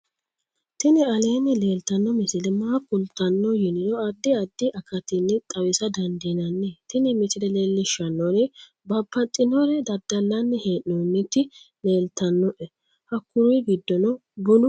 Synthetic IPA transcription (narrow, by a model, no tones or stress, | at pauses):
t̪ɪnɪɐleːnːɛle̞ːlt̪ɐnːɔmɪsɪlɛmaːkːʊlt̪ːɐnːɔjɪnɪd̪ɔɐd̪ːɪɐd̪ːɪʔɐkʰɐt̪ɪnːɛt̪ʼɐwɪsɐd̪ɐnd̪inɐnːet̪ɪnɪmɪt̪ɪd̪ɛleːlːɪʃɐnːɔnɪ | bɐpːɐt̪ʼːɪnɔɾɛd̪ɐd̪ːɐlːɐnːɛheːʔnonːɪt̪ːɪle̞ːlt̪ɐnːɔʔɛ | hɐkːʊɾʊjɡɪd̪ːɔnɔbʊnʊ